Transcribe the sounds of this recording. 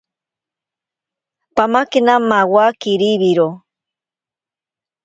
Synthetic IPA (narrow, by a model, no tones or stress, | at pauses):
pamakenamawakiɾiβiɾo